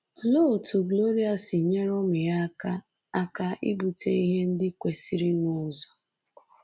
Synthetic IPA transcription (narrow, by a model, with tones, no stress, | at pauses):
ɔ˨lo˦o˨tu˨ɡlo˦ɾi˦a˨sɪ˨ɲe˦ɾɔ˦mɪ˨ja˦ka˦ | a˦ka˦ʔḭ˦bu˨te˦i˦ɦe˦n̩˦dɪ˦kʷe˨si˦ɾɪ˦nʊ˦˨zɔ˨